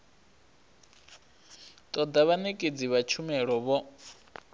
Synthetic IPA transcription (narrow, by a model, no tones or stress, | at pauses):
t̪ʼɔd̪aβanekʼed͡ziβat͡ʃʰumɛɺɔβɔ